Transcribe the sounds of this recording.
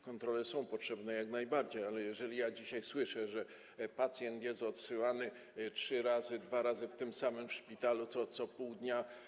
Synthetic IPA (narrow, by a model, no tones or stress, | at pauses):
kɔnt̪ɾɔlɛsɔ̃w̃pɔtʂɛbnɛjaknajbaɾd͡ʑejalɛjɛʐɛlʲijad͡ʑiɕajswɘʂɛʐɛ | pat̪sʲjɛnt̪jɛst̪ɔt̪sɘwanɘ | tʂɘɾazɘd̪vaɾazɘft̪ɘmsamɘmfʂpʲit̪alut̪sɔt̪sɔpɔwd̪ɲa